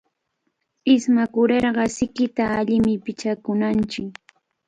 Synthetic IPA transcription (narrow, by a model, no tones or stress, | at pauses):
ɪsmakʊɾeɾɢɑsɪkɪt̪aːʎɪmɪpɪt͡ʃakʊnant͡ʃɪk